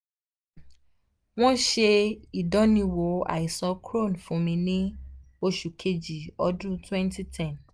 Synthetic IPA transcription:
w̃ɔ̃˦ʃe˧i˨dɔ̃˦nĩ˧˦wo˨˦a̰˨i˨sɔ˧kʰɾo˦˨nfũ˨˦mĩ˧nĩ˦ | o˧ʃu˨kʰe˦d͡ʒi˨ɔ˦dũ˦twɛ̃˦nti˦tʰɛ̃˦˨n

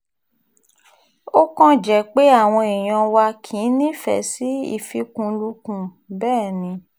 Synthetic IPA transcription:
o˦kɔ̃˦d͡ʒɛ˨k͡pe˦a˦˨w̃ɔ̃˧i˨j̃ã˧wa˧kʰĩ˨˦nĩ˦fɛ̰˨si˨˦ḭ˦˨fi˧kũ˧lu˧kũ˨ | bɛː˦˨nĩ˧

